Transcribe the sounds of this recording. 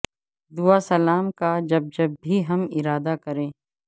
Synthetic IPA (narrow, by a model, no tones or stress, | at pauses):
d̪uasɐlaːmkad͡ʒɐb̚d͡ʒɐbːʱiɦɐmɪɾaːd̪akɐɾẽː